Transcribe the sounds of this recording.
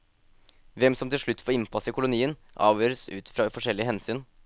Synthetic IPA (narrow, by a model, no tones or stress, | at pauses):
ʋɛmsɔmt̪ʰɪlʂɭʉt̪ːfɔɾɪnpʰɑsəɪkʊlʊniːənʔɑ̰ːʋjøːɾəsʉ̰ːt̪fɾɑfɔʂɛlːɪəhɛnsyːn